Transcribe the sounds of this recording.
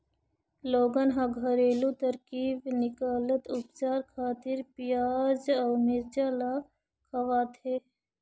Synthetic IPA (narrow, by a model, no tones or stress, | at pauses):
loːɡənɦɐɡɐɾeːlut̪ɐɾkiːbnɪkaːlət̪ʊpt͡ʃaːɾkʰaːt̪ɪɾpijaːzɐːmeɾt͡ʃala | kʰɐʋaːt̪ɦeː